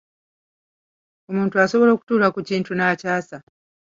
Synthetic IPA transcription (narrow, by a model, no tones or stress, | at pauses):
umuːntuaso̞βo̞lo̞ku̥tuːɾakuciːntʰunacaːsa